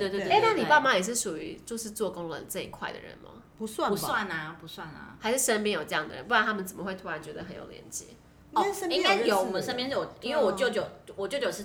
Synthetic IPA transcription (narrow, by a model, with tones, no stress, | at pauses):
e˥˧t̪we˥e˥˦a˥˩ni˨˩pa˥˧˩ma˨jɛ˨˩ʂɻ̩˥˩ʂu˨˩y˧˥t͡ɕjo˥˧ʊʂɻ̩˥˧t͡swɔ˥˩kʊ˥ŋlə̰˧˦nt͡sɤ˥˩i˦˩kʰwa˥˩ɪd̪ə̰˨ɻə̰˧˦nmɐ̰˦ | pu˧˦swa˥˩u˧wa˥˨˩na˧˩pu˧˥swa˥˩na̰˨˩xa˧ɪʂɻ̩˥˩ʂə˦np̬jɛ˥njo˨˩ʈ͡ʂɤ˧jɑ˥˩ŋd̪ə̰˩ə̰˧˦npu˥˩wa˦nt̪ʰa˥mə˨nt͡sə˨˩mə˦xwe˥˩ɪt̪ʰu˥ɻa˧˦nt͡ɕɥɛ˧˥d̪ə˨˧xə˧˦njo̰˨˩ʊljɛ̰˧˦nt͡ɕjɛ̰˧˦˥ | ə˥i˥ka˥njo˨˥ʊ˨˩ə˥npjɛ˥n̩˥˩wɔ˨˩i˥nwe˥˩wɔ˨˩t͡ɕjo˥˧ʊt͡ɕjo˨˩ʊwɔ˨˩t͡ɕo˥˧t͡ɕjo˨˩ʂɻ̩˥˩